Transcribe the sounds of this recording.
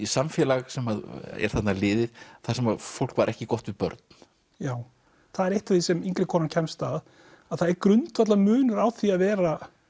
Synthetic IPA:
isamfjɛlaɣsɛmaðɛ̰ɾ̥θat̪nalɪːðɪðθḁsɛmafowl̥kvaɾʔɛhcɪkɔht̪vɪðpœ̰ɾt̪̚n̥ | jaːw | θaðɛɾejht̪aθisɛmiŋkɾɪkʰɔːnancʰɛmst̪að | aðθaðɛɾkɾʏnt̪vat̪lamʏːnʏɾaːwθiaðvɛːɾa

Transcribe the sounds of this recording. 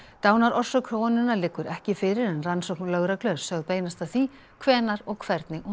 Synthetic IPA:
t̪aːwnaɾɔr̥sʏkʰɾownɪnːalɪkːʏɾʔɛhcɪfɪɾɪɾɛnransɔknlœːɣɾaklœ̥sœɣðpeːjnast̪aθi | kʰvɛːnaɾɔɣkʰvɛɾt̪nɪʔɔ

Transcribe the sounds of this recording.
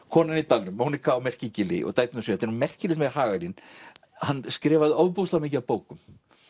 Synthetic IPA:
kʰɔːnɪnit̪alːʏmːoːwnikaɔmɛr̥cɪcɪlɪ̰ʔɔ̰ɣt̪aːjt̪nʏsɛːt̪ɪnmɛr̥cɪlɪmɛ̥haːɣalɪn | hanːskɾɛːvaðɪɔwðpowst̪lamɪːcɪapoːwkʏm

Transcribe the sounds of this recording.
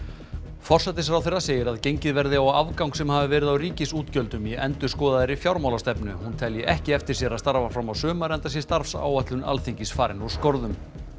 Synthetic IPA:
fɔr̥sɛt̪ɪsɾawθerːaseːjɪɾaðcejɲcɪðvɛɾðɪawa̰vkawŋksɛmhaːvɪvɛːɾɪðawriːcɪsuːt̪cœlt̪ʏmiɛnt̪ʏ̥skɔːðaðɪɾɪfjawɾmawlast̪ɛpnʏhunt̪ʰɛljɪʔɛhcɪɛft̪ɪɾ̥sjɛɾaðst̪aɾvafɾamawsœːmaɾɛnt̪asjɛst̪aɾfsa̰ːwat̪lʏna̰lθiɲcɪsfaːɾɪnu̥skoɾðʏm

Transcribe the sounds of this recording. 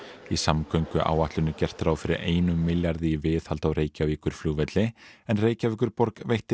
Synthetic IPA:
isamkœɥŋkʏʔa̰ːwaht̪lʏnːɪcɛr̥t̪ɾaːwfɪɾɪ̰ɾʔeːjnʏmːɪljaɾðɪvɪθhalt̪awɾeːjcaviːkʏɾ̥fluːɣvɛt̪lɪɛnreːjcaviːkʏɾpɔɾkvejht̪ɪ

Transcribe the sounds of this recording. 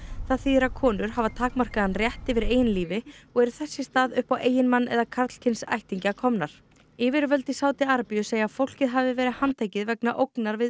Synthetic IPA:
θaðθiːɾakʰɔːnʏɾ̥havat̪ʰaːkmar̥kaðanrjɛht̪ɛvɪɾeːjɪnliːvɪɔɣɛɾθɛsːɪst̪aːðʏhpawʔeːjɪnmanːʔɛ̰ðakʰat̪l̥cʰɪnsa̰jht̪iɲcakʰɔmnaɾ̥ | ɪːvɪɾvœlt̪ɪsaːwt̪ɪaɾpijʏseːjafowl̥cɪðɦaːvɪvɛːɾɪhant̪ʰaːjcɪðvɛknaʔowknaɾvɪ

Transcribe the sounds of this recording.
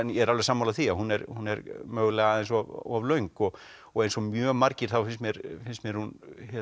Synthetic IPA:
njɛɛɾalvɛsaːmawlaθiahunɛɾhunːɛɾmœːɣʏlɛɣaðejnsɔavlœɥŋkɔɣ | ɔɣejnsɔmjœːmaɾcɪɾ̥θawfɪnsmjɛɾfɪnsmjɛɾ̥hunhɛ

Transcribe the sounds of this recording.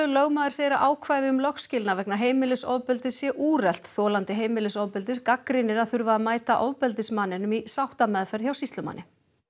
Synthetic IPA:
ʏlœɣmaðʏɾ̥sejɾaʔaːwkʰvaːjðɪʏmlɔxscɪlnavɛknaɦeːjmɪlɪsoːwpɛlt̪ɪsjɛʔuːrɛl̥t̪θɔːlant̪ɪɦeːjmɪlɪsoːwpɛlt̪ɪskakɾɪnɪɾaðθʏɾvaaðmaːjt̪aʔoːwpɛlt̪ɪsmanːɪnʏmisawht̪amɛðfɛɾ̥çjawsist̪lʏma̰nːɪ

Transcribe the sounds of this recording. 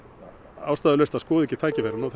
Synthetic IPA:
aːwst̪aːðʏlœst̪aðskɔːðɛcɪt̪ʰaːjcɪvɛɾnawθ

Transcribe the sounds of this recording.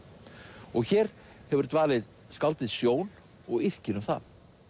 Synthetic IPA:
ɔɣçɛːɾ̥ | hɛvʏɾ̥t̪vaːlɪð | skalt̪ɪðsjoːwn | ɔɣɪr̥cɪnʏmθa

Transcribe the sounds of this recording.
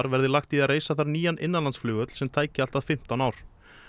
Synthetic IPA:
ɾvɛɾðɪlaxt̪iareːjsaθaɾniːjanʔɪnːanlansflʏːɣœt̪l̥sɛmt̪ʰaːjcɪalt̪aðfɪm̥t̪anaːwɾ̥

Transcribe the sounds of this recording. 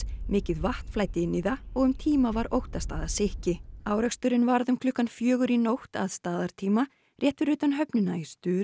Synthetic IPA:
mɪːcɪðvaht̪flaːjt̪ɪɪnːiðaɔɣʏmt̪ʰiːmavaɾowht̪ast̪a̰ːðasɪhcɪaːwɾɛkst̪ʏɾɪnvaɾðʏmkʰlʏhkːanfjœːɣʏɾinowht̪a̰ðst̪aːðaɾ̥t̪ʰiːma | rjɛːht̪vɪɾʏːt̪anɦœpnʏnaɪst̪ʏːɾ

